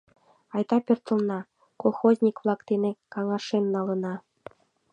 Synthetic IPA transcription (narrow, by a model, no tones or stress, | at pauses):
ɑjt̪ɑpʲørt̪ə̆lnɑ | kolˠxozʲnʲikβlˠɑkt̪enekɑŋɑʃemnɑlənɑ